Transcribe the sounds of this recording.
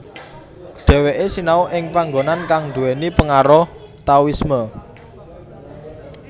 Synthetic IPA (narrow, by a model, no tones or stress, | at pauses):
ɖ̪̥ɛ̤weʔesinauʔɪŋpaŋɡonankaŋd̪ṳenipəŋaɾɔh | t̪awismə